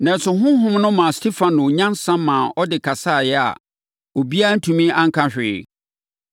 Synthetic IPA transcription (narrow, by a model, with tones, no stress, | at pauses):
nã˨nsʊ˨ɦʊ̃˦ɦʊ̃˦mnʊ̃˦mã˨stʰi˦fã˨nʊ̃˨ɲã˦n˦sã˦mmãː˨ɔ˦dɪ˨kʰa˨sa˦˨jɛ˦a̰˨ | o˨bi˦a˦n̩˦tʰũ˨mĩ˦ã˦ŋ̩˦kʰã˦ɕᶣɪ̰ː˨